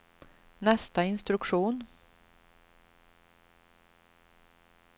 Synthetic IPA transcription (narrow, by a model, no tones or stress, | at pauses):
nɛst̪aɪnst̪ɾɵkʂuːn